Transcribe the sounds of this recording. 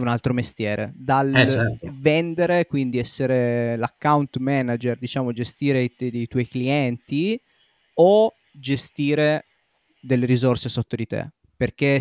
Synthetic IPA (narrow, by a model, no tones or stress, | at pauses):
unalt̪ɾomest̪jɛːɾʔḛd̪al | vɛnd̪eɾekwind̪iɛsːeɾelakːawnt̪mɛːnad͡ʒerd̪it͡ʃaːmod͡ʒest̪iːɾejt̪wɔjkliɛnt̪i | o | d͡ʒest̪iːɾe | d̪elːeɾizorsesot̪ːod̪it̪ḛ | perk̟e